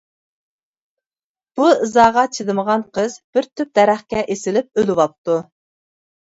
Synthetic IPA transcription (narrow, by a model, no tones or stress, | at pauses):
b̥uɨzɑːʁɑt͡ʃʰid̪ɨməʁɑnqʰəzb̥ɪɾt̪ʰyp̚d̪̥ɛɾæχkʲɛʔesɪlɪp̚ølɪwɑp̚t̪u